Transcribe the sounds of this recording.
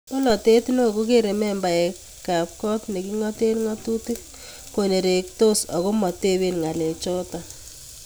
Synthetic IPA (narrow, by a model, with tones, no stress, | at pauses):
mo˦lɔ˨te˦tno˦˨ko˦k̬e˦ɾe˨mɛ˦mba˨ɛ˨k | ka˨p̚kɔ˦tne˨ki˦ŋɔ˦te˦ɾŋɔ˦tu˦tɪ˦k | ko˨ne˨ɾe˨k̚to˦sɔ˨ko˦mɔ˨te˦βe˦nŋa˨le˨t͡ʃɔ˦ta˨